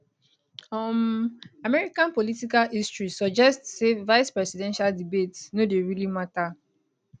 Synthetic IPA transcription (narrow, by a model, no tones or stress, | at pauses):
ɔmamɛɹikãnpɔlitikalistɹisɔd͡ʒɛstsevaɪspɹɛsidɛ̃nʃaldibetnodeɹilimata